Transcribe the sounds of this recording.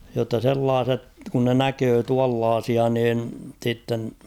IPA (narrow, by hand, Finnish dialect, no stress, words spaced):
jotːɑ selːɑːset kun ne nækøː tuɑlːɑːsiɑ niːn sitːen